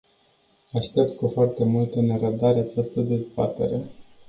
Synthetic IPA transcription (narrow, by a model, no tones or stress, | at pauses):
aʃt̪e̞p̚t̪kufoart̪e̞mult̪əneɾəb̚d̪aɾeat͡ʃast̪əd̪e̞zba̰t̪e̞ɾe̞